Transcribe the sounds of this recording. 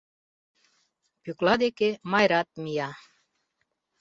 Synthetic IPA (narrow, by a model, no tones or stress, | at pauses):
pyklɑd̪ekemɑjɾat̪̚mijɑ